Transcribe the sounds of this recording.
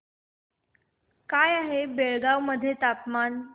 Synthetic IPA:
kajaɦebeɭɡaʋməd̪ʱːjet̪apman

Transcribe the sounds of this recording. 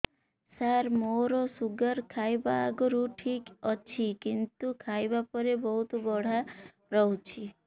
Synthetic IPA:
saɾmoɾosuɡəɾkʰajbaːɡɔɾuʈʰikɔt͡ʃʰikint̪ukʰajbapɔɾebɔɦut̪bɔɽ̤a | ɾɔɦut͡ʃʰi

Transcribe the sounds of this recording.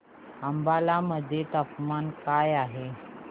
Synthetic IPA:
ambalaməd̪ʱːjet̪əpmankajaɦe

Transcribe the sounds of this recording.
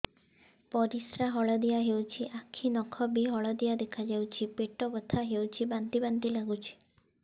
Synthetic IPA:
pɔɾisɾaɦɔɭɔd̪ijaɦewt͡ʃʰiʔakʰːinɔkʰɔbiɦɔɭɔd̪ijad̪ekʰad͡ʒawt͡ʃʰipeʈɔbɔt̪ʰaɦewt͡ʃʰibant̪ibant̪ilaɡut͡ʃʰi̥

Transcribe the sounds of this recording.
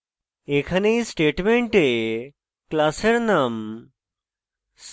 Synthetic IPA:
eːkʰɐnejsʈeːʈmẽɳʈe | klaːseɾnɐm | s

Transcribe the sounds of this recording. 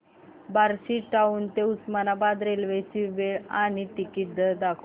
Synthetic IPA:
baɾɕiʈːauːnt̪eusmanabad̪ɾelʋet͡ɕiʋeɭaɽ̃iʈikiʈ̚d̪əd̪akʰu

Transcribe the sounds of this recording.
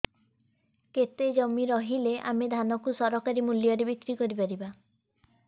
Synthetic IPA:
ket̪ed͡ʒɔmiɾɔɦileʔa̰med̪ʱanɔkusɔɾɔkaɾimuljɔɾebikɾikɔɾipaɾiba

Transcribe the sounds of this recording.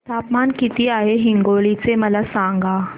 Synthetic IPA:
t̪aːpmaːnkit̪iaːɦeɦɪ̃ŋɡoːlisemɐlasãːŋɡaː

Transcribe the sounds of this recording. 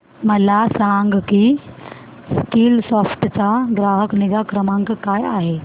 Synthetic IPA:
məlasãŋɡki | skiːlsɔfʈt͡saɡɾaɦəkniɡakɾəmãŋkkajaɦe

